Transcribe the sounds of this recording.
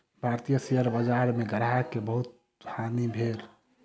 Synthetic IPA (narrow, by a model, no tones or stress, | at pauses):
bʱaɾt̪ijəsejəɾbəd͡ʒaɾmeɡəɾakebəɦut̪̚ | anibʱeɾ